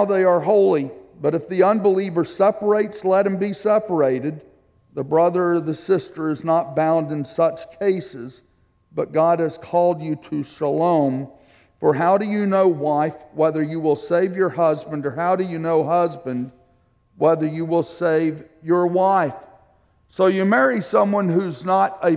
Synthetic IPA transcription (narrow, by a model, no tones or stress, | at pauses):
ʊðeɪə˞ɦoʊlˠib̥ʌɾɨfðiʌ̃nbəlivə˞sɛpə˞eɪtslɛt̚hɨ̃mbisɛpə˞eɪɾɨd̪̚ | ðəbɹʌðə˞ðɨsɪstə˞ɨznət̚b̥ãʊ̃ndɨ̃nsʌt͡ʃkʰeɪsɪz | b̥ʌt̚ɡ̥ɑd̚ɨz̥kʰɔlˠd͡ʒɨɾɨsəlõʊ̃m | fə˞ɦaʊɾɨjɨnoʊwaɪfwɛðə˞jɨwɪlˠseɪvjə˞hʌzbɨ̃ndə˞ɦaʊɾɨjɨnoʊɦʌzbɨ̃nd̚ | wɛðə˞jɨwɪlˠseɪv | jə˞waɪf | soʊjɨmɛɹisʌ̃mwʌ̃nɦʉznəɾɨ